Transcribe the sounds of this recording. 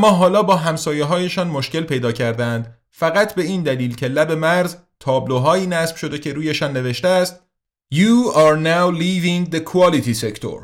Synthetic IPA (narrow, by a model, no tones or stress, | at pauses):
æmːɒːɦɒːlɒːbɒːɦæmsɒːjeɦɒːje̞ʃɒːnmoʃke̞lpʰe̞jd̪ɒːcʰæɾd̪ænd̪ | fæɣæt̪ʰbe̞iːnd̪æliːlcʰe̞læbe̞mæɾz | t̪ʰɒːbloɦɒːiːnæsb̥ʃo̞d̪e̞cʰe̞ɾuːjeʃɒːnːe̞ve̞ʃt̪eæst̪̚ | juːɑɾnawliːviŋd̪ekʰuɒːlit̪ʰisekt̪ʰo̰ɾ